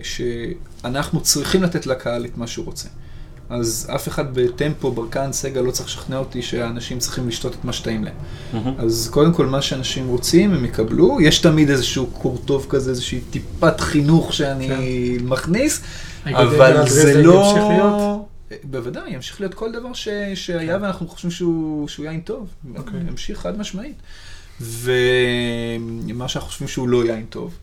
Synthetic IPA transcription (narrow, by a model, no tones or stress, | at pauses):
ʃe̞ | anaχnut͡sʁiχimlat̪etlakʰaalet̪maʃeuʁo̞t͡se | aza̰fe̞χad̪be̞t̪e̞mpo̞baʁkanseɡalo̞t͡sɐʁiχʃḁχneo̞t̪iʃe̞anaʃimt͡sʁiχimliʃto̞t̪et̪maʃe̥taimlaem | azko̞d̪emko̞lmaʃeanaʃimʁo̞t͡simemjekablujeʃtamidezeʃuːkʰoʁto̞vkazeezeʃiit̪ipatχinuχʃeanimaχnis | avalzeloχlijot | bevadajamʃi̥χliot̪̚ko̞ld̪avaʁʃeʃeajaveanaχnuχo̥ʃvimʃeuʃeujajinto̞vamʃiχad̪maʃmait | ve | maʃanχuχoʃvimʃeulo̞jajinto̞̰v